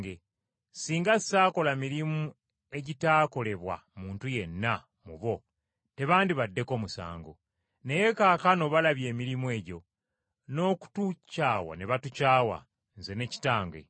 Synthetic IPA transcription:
ɡe | siːŋɡassaːko̞lamiɾimu | e̞ɟitaːko̞le̞βwa̰muːntuje̞nːa | muβo̞ | te̞βaːndiβadːe̞ko̞ːmusa̰ːŋɡo̰ | ne̞je̞kaːkano̞βalaβje̞ːmiɾimwe̞ːɟo̞ | no̞ːku̥tucaːwa̰neβatucaːwa̰ | nze̞ne̞ci̥taːŋɡwe̞̰

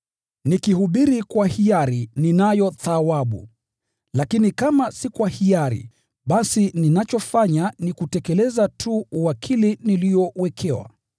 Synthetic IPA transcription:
nikihuɓiɾikwahiaɾininajɔθawaɓṵ | lakinikamasikwahiaɾḭ | ɓasininat͡ʃɔfaɲanikutɛkɛlɛzatʰuuwakʰiliniliɔwɛkʰɛwa̰

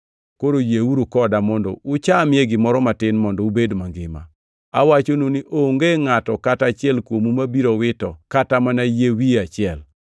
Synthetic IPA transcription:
koɾojewuɾukɔdamɔndɔʊt͡ʃamɪeɡɪmɔɾɔmatɪnmɔndɔubedmaŋɡɪma̰ | a̰wat͡ʃononiʔoŋɡeŋatɔkatat͡ʃɪɛlkwomumabiɾowɪtɔkatamanajewiat͡ʃɪɛl

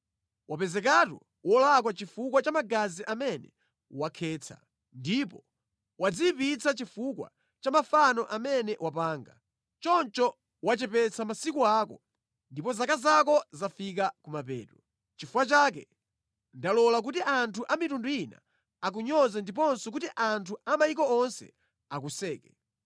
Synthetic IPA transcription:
wapɛzɛk̬atwɔ̰ | wʔɔlak̬wat͡ʃifuk̬wat͡ʃamaɡaziʔamɛnɛ̰ | wakʰɛːt͡sʰa̰ | ndipɔ | wad͡zipit͡sʰat͡ʃifukwa̰ | t͡ʃamafanɔʔamɛnɛwapaːŋɡa | t͡ʃɔnt͡ʃɔ | wat͡ʃɛpɛt͡sʰamasikuaːkɔ | ndipɔzakazak̬ɔzafik̬akumapɛ̰ːtɾɔ | t͡ʃifuwat͡ʃak̬ɛ̰ | ndalɔlak̬utiʔantʰuʔamitunduina̰ | ak̬uɲɔzɛndip̬ɔnsɔk̬utiʔantʰuamajikɔɔnsɛ̰ | akusɛːkɛ

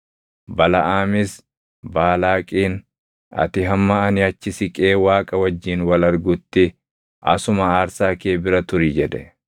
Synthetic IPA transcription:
bɐlɐʔaːmɪs | baːlaːkʼiːn | ɐ̰t̪ɪɦɐmːɐɐnɪɐt͡ʃːɪsɪkʼeːwaːkʼɐwɐd͡ʒːiːnwɐlɐɾɡʊt̪ːɪ | ʔɐ̰sʊmɐaːɾsaːke̞ːbɪɾɐt̪ʊɾɪd͡ʒɛd̪ɛ̰

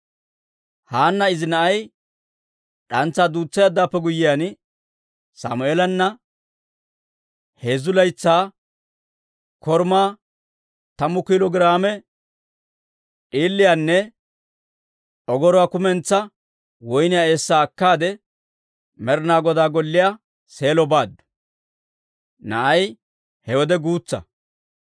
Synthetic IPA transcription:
haːnːɐɪzɪnɐʔɐj | ɗɐnt͡sːaːd̪uːt͡sːɐjaːd̪ːaːpːɛɡʊjːɪjaːn | sa̰ːmʊeːlɐnːɐ | he̞ːzʊlɐjt͡sːaː | kɔɾmaː | t̪ɐmːʊkiːlɔɡɪɾaːmɛ | ʔʼiːlːɪjaːnːɛ | ɔɡɔɾɔwaːkʊmɛnt͡sːɐ | wɔjnɪjae̞ːsːaːkːaːd̪ɛ | mɛɾnaːɡɔd̪aːɡɔlːɪjaː | se̞ːlɔbaːd̪ːʊ̥ | nɐʔɐj | hɛwɔd̪ɛɡuːt͡sːɐ̰

